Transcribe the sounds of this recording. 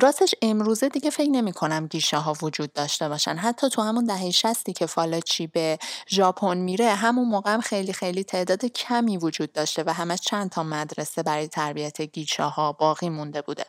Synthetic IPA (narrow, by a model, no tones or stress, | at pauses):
ɾɒːst̪eʃe̞mɾuːze̞d̪iɟefe̞cʰne̞miːkʰo̞næmɟiːʃɒɦɒːvod͡ʒuːd̪̚ːɒːʃt̪e̞bɒːʃæ̰nɦæt̪ʰːɒːt̪ʰuhæmund̪æɦejeʃæst̪iːcʰe̞fɒːlɒt͡ʃʰiːbe̞ʒɒːpʰo̞nmiɾe̞ɦæmunmoːɣeæmxe̞jlixe̞jlit̪ʰe̞ːʔd̪ɒːd̪ecʰæmiːvod͡ʒuːd̪̚ːɒːʃt̪e̞væɦæmæʃt͡ʃʰænt̪ʰɒːmæd̪ɾesebæɾɒːjet̪ʰæɾbijæt̪ʰeɟiːʃɒːhɒːb̥ɒːɣiːmund̪e̞buːd̪e